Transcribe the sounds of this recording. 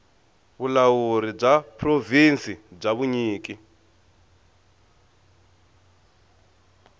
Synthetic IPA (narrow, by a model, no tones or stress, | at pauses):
βulawuɾib͡ʐapʰrovinsib͡ʐaβuɲiːk̬ʼi